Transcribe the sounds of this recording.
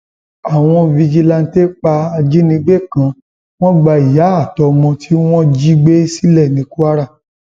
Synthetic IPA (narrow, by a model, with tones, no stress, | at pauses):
a˨w̃ɔ̃˧vi˧d͡ʒi˧la˧n̩˦te˦k͡pa˧a˧d͡ʒi˦nĩ˧ɡ͡be˦˨kã˨˧˦ | w̃ɔ̃˦ɡ͡ba˧i˨ja˨˦a˦˨tɔ˧mɔ̃˧tʰi˦w̃ɔ̃˦d͡ʒi˦ɡ͡be˦si˦lɛ˦˨nĩ˨˦ku˦a˦ɾa˦˨